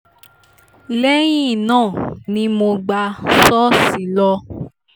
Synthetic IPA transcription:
lɛ˦j̃ĩ˦˨nãː˦˨nĩ˦mo˧ɡ͡ba˧sɔ˦si˨˦lɔ˧

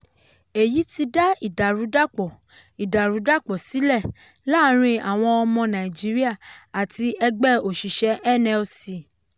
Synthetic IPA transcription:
e˨ji˨˦ti˧da˦i˦˨da˨ɾũ˨˦da˦˨k͡pɔ˨ | i˨da˨ɾũ˨˦da˦˨k͡pɔ˨si˨˦lɛ˦˨ | la˦˨˦ɾ̃ĩ˧a˨w̃ɔ̃˧ɔ˧mɔ̃˧nã˨ĩ˨d͡ʒi˨˦ɾi˦a˦˨a˨ti˧ɛ˧ɡ͡bɛ˦˨o˨ʃi˨ʃɛ˧˦ʔɛ˦˨nɛ̃˧o˧si˨

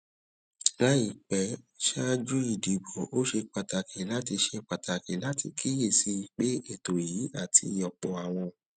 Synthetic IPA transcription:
la˦i˦˨k͡pɛ˨˦ | ʃa˦d͡ʒu˦i˦˨di˨ɡ͡bɔ˨o˦ʃe˧k͡pa˨ta˨kʰi˨˦la˦ti˧ʃe˧k͡pa˨ta˨kĩ˨˦la˦ti˧kʰi˦je˦˨si˧˨k͡pe˦e˦˨to˨ji˨˦a˦˨tʰi˧ɔ˨k͡pɔ˨a˨w̃ɔ̃˧

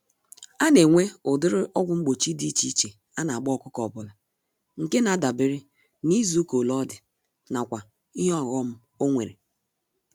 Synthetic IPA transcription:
a˦ne˨ŋʷe˦ʊ˨dɪ˦ɾɪ˦ʔɔ˦ɡʷʊ˨˦ŋ͡m̩˦ɡ͡bo˨t͡ʃi˦di˦t͡ʃi˦t͡ʃe˨ | a˦na˨a˨ɡ͡bɔ˦˨kʊ˦kɔ˨bʊ˨la˨ | ŋ̩˨ke˦na˨˦da˨bi˦ɾɪ˦ | ni˦zu˨˦ko˨lɔ˦dɪ˨ | na˨kʷa˨ | i˦ɦɔ˦˨ɣɔ˦m̩˦ | o˦ŋʷe˨ɾḛ˨

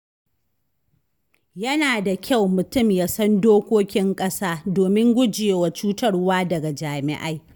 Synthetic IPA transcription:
jɐ˦naː˨da˨kʲa˦˨wmʊ˨tʊ˦˨mjaː˦sɐ˦ndoː˦kʷoː˦kʲɪ˦ŋkʼɐ˦saː˦doː˨mɪ˦ŋɡʷʊ˦d͡ʒjeː˨wa˨t͡ʃuː˦tɐ˦rwaː˦dɐ˨ɡa˨d͡ʒaː˨mɪ̰˦˨ʔa˦j

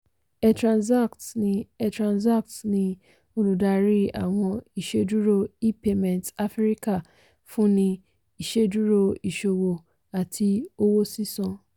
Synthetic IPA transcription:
ɛ˦tɾã˨nsa˦˨ktnĩ˧ɛ˧tɾã˨nsa˦k̚tnĩ˧ | o˦nũ˨da˧ɾi˦a̰˦˨w̃ɔ̃˧i˨ʃe˧du˦ɾo˦i˦pe˦mɛ̃˨nta˦fɾi˦ka˦˨ | fũ˦nĩ˧ | i˨ʃe˦du˦ɾo˧i˨ʃo˨wo˨ | a˨tʰi˧o˦wo˦si˦sɔ̃˧

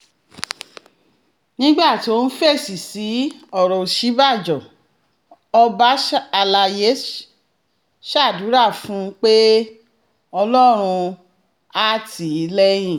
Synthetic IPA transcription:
nĩ˦ɡ͡ba˦˨ti˨o˦n̩˦fe˦˨si˨si˨˦ɔ˦˨ɾɔ˨ʃi˦ba˦˨d͡ʒɔ˨ | ɔ˧ba˦a˧la˧je˦ | ʃa˦˨du˨˦ɾa˦˨fũ˨˦k͡pe˦ | ɔ˧lɔ˦ɾ̃ũ˧ | a˦˨tʰi˨˦lɛ˦j̃ĩ˦˨

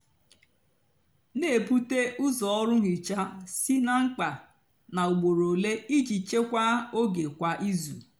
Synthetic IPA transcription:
ne˨pu˦te˦ʔʊ˦zɔ˨ɔ˦ɾʊ˦ŋi˨t͡ʃa˦si˦na˨ŋ͡m̩˦k͡pa˨ | na˨u˨ɡ͡bo˨ɾo˨le˦i˦d͡ʒi˨t͡ʃe˦kʷa˦o˦ɡe˨kʷa˦ʔi˦zu˨

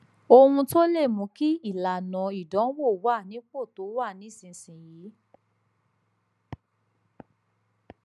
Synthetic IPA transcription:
o˧hũ˧to˦le˦˨mũ˨˦ki˦i˦˨la˨nɔ̃˨i˨dɔ̃˨˦wo˦˨wa˦˨nĩ˨˦k͡po˦˨to˨˦wa˦˨nĩ˨˦˨sĩ˧˨sĩ˨ji˨˦

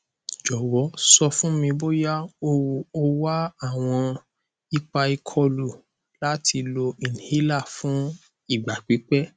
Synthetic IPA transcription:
d͡ʒɔ˨wɔ˨˦sɔ˧fũ˦mĩ˧bo˦ja˦o˧˨o˧wa˦a˦˨w̃ɔ̃˧ | i˦k͡pa˧i˧kʰɔ˧lu˨ | la˦ti˧lo˧i˨nĩ˨hi˦la˦˨fũ˨˦ | i˦˨ɡ͡ba˨k͡pi˨˦k͡pɛ˦

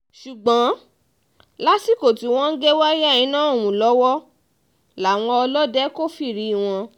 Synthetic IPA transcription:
ʃu˨ɡ͡bã˨˦ | la˦ti˦˨ko˦˨ti˧w̃ɔ̃˦n̩˦ɡe˦wa˦ja˦˨ĩ˨˦nã˦o˦˨wũ˨lɔ˨˦wɔ˦ | la˨w̃ɔ̃˧ɔ˧lɔ˦dɛ˦ko˦fi˦˨ɾi˧˦i˦˨w̃ɔ̃˧

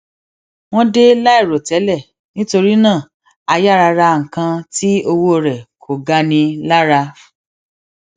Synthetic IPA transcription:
w̃ɔ̃˦de˦la˦i˦˨ɾo˨tɛ˨˦lɛ˦˨ | nĩ˦to˧ɾi˦nãː˦˨ | a˧ja˦˨ɾa˧ɾa˧ŋ̩˨kã˧ti˦o˧wo˦˧ɾɛ˨kʰo˨ɡa˦nĩ˧la˦ɾa˧

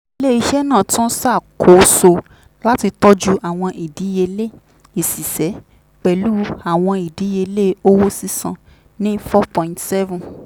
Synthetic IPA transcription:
i˧le˦i˧ʃɛ˦nãː˦˨tũ˦sa˦˨kʰo˨˦so˧ | la˦ti˧tɔ˦d͡ʒu˦ʔa˨w̃ɔ̃˧ʔi˨di˨˦je˧le˦ | i˨si˨sɛ˨˦ | k͡pɛ˧˨lu˦a˨w̃ɔ̃˧i˨di˨˦je˧le˦o˦wo˦si˦sã˧ | nĩ˦fɔ˦pɔ̃˨ĩ˨ntsɛ˦vũ˨

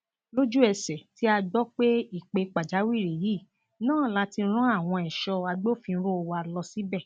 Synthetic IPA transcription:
lo˦d͡ʒu˦ɛ˧sɛ˨ti˦a˧ɡ͡bɔ˦k͡pe˦i˦˨k͡pe˧k͡pa˨d͡ʒa˨˦wi˦˨ɾi˨ji˦˨ | nãː˦˨la˨˦ti˧˦ɾ̃ɔ̃˦a˦˨w̃ɔ̃˧ɛ˨ʃɔ˧a˧ɡ͡bo˦˨fĩ˧˦ɾo˦˧wa˧˨lɔ˧si˨˦bɛ˦˨

